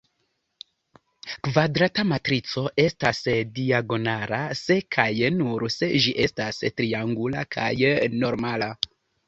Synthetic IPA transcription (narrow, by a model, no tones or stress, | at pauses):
kvadɾatamatɾit͡so̞ʔe̞stasdiaɡo̞naɾase̞kʰajnuɾse̞ʒiʔe̞stastɾiaŋɡulakʰa̰jno̞ɾmala